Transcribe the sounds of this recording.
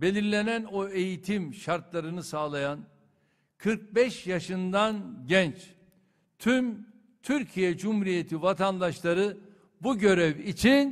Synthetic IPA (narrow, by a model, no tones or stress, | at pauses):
be̞lʲiɾlʲe̞nænoe̞jit̪ʰimʃaɾt̪lˠaɾɯnɯsaːlˠajan | kʰɯɾk̚bɛʃjaʃɯnd̪anɟɛnt͡ʃ | t̪ʰym | t̪ʰyɾcʰijɛd͡ʒumhuɾije̞t̪ʰivat̪ʰand̪aʃlˠaɾɯ | buɟø̞ɾɛvit͡ʃʰin